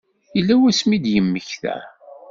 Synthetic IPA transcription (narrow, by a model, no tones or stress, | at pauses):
ilːæwæsmid̪jəmːəçθæ̰